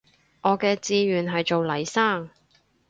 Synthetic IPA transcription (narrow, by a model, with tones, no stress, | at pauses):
ʔɔː˨˧kɛː˧t͡siː˧ɥyː˨nɦɐ˨jt͡so˨wlɐ˨˩jsaː˥˩ŋ